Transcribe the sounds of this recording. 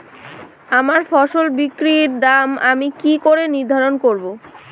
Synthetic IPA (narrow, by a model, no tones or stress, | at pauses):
amaɾfɔʃolbikɾiɾd̪amamikikoɾeniɾd̪ʱaɾonkoɾbo